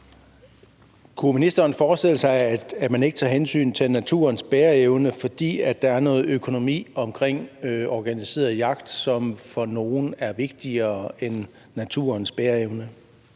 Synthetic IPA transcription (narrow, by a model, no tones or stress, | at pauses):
kʰuminisd̥ɐːnfɒːsd̥e̝l̰əsɑ̈ɪæd̥mæne̝ɡ̥ət͡sʰɑ̰̈ːɦensy̰ːnt͡sʰe̝lnæt͡sʰṵɐnsb̥eːɐeʊnəfɒ̽d̥ḭːæd̥ːɑ̈æɐnɔ̽ːð̞̩ˠøkʰo̝no̝mḭːɒ̽mkʰʁeŋ̰ɒːɡ̥ænise̝̰ːɐð̩ˠjɑ̈ɡ̥d̥sɒ̽mfɒ̽no̝ːnæɐʋe̝ɡ̥̚d̥iɐːenː | æt͡sʰṵːɐnsb̥eːɐeʊnə